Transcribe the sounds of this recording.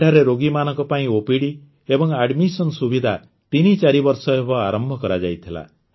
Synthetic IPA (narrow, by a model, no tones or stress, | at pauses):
ʈaɾeɾoɡimanɔŋkɔpaĩopiɽi | ebɔŋaɖmisɔnsubid̪ʱa | t̪init͡ʃaɾibɔɾsɔebɔaɾɔmbʱɔkɔɾad͡ʒajt̪ʰila̰